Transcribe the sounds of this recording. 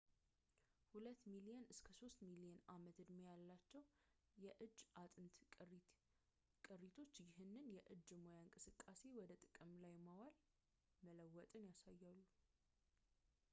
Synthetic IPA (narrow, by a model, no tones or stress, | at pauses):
hulət̪ːmilijɛnɨskʰəso̞st̪miliɛnamət̪ɨd̪mojalːat͡ʃːɛw | jɛʔɨd͡ʒːat̪ʼɨnt̪ | kʼɨrit̪ʰo̞t͡ʃːjɪɦɨnːɨnjɛʔɨd͡ʒːmo̞jaɨŋkʼɨsɨkʼːase̞wɔd̪ət̪ʼɨkʼɨmlajmawal | mələwːɔt̪ʼɨnjasajːalːu